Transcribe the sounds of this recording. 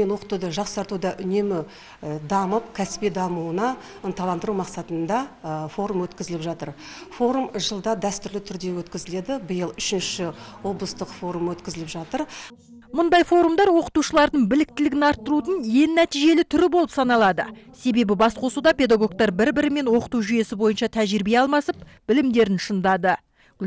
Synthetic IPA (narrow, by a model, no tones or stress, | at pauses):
enwo̞qə̥t̪ud̪əʒɑqsɑɾt̪ud̪ɑʔʏne̞mɪ | d̪ɑməp̚kʲʰæsɪ̥ped̪ɑmuənɑ | ənt̪ɑlˠɑnd̪əɾumɑqsɑt̪ənd̪ɑfo̞ɾumwɵt̪kʲɪzɪlɪpʒɑt̪əɾfo̞ɾumʒəlˠd̪ɑd̪æst̪ʏɾlɪt̪ʰʏɾd̪e̞wɵt̪kʲɪzɪle̞d̪ɪbəjəlˠʏʃɪnʃɪwo̞blˠəst̪əqfo̞ɾumwɵt̪kʲɪzɪlɪpʒɑt̪əɾ | mʊnd̪ɑjfo̞ɾumd̪ɑɾwo̞qə̥t̪uʃəlˠɑɾd̪əɴbɪlɪk̚t̪ɪlɪɡʲɪnɑɾt̪ːəɾut̪əɴje̞nnæt̪ijʒe̞lɪt̪ʰʏɾɪbo̞lˠəpsɑnɑlˠɑd̪əse̞be̞bɪbɑsqʰo̞sud̪ɑpʲe̞d̪ɑɡo̞k̚t̪ɑɾbɪɾbɪɾɪme̞nwo̞qə̥t̪uʒʏje̞sɪbo̞jənʃɑt̪ʰæʒɪɾbeɑlˠmɑsəpb̥ɪlɪmd̪e̞ɾɪnʃənd̪ɑd̪ə